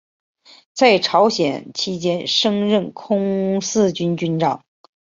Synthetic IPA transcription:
t͡sa˥˩ɪʈ͡ʂʰɑ˧˥ʊɕjɛ̰˨˩nt͡ɕʰi˥t͡ɕjɛ˥nʂɤ˥ŋɻə˥˩nkʰʊ˥ŋsɹ̩˥˧t͡ɕy˥nt͡ɕy˥nʈ͡ʂɑ̰˥˩˦ŋ

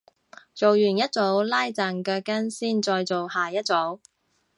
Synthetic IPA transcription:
t͡so˨wjyː˨˩njɐ˥t̚t͡so˨˥wlaː˥jt͡saː˨˩nkœː˧kːɐ˥nsiː˥nt͡sɔː˧jt͡so˨whaː˨˩jɐ˥t̚t͡so˨˥w

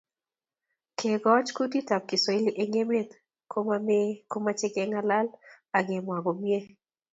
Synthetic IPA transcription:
kʰe˨ɡɔ˦t͡ʃku˦ti˦ta˨p̚kɪ˨sɔ˨˦e˦li˦ʔe˦ŋe˦me˦t̪ | kʰo˦mame˦ko˦ma˦t͡ʃe˦ke˦ŋa˦la˦l | a˨ɡe˨mwa˨ɡɔ˨mje˦

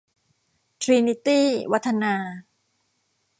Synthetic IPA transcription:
t̪ʰɾi˧ni˧˥t̪iː˥˩wa˦˥t̪ʰːa˧naː˧

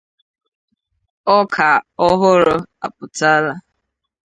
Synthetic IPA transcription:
ɔ˦kʰa˨ɔ˦ɦʊ˦ɾʊ˦a˨pʊ˨ta˦la˦

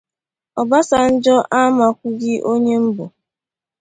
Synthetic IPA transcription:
ɔ˨ba˦sa˨n̩˦d͡ʒɔ˦ʔa˦ma˨kʷʊ˦ɡɪ˦ʔo˦ɲe˦m̩˦bʊ˨

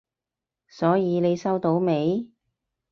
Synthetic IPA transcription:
sɔː˨˥jiː˨˧ne˨˧jsɐ˥wt̪o˨˥wme˨˧j

